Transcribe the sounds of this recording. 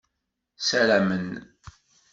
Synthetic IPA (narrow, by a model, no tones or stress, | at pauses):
sælæmən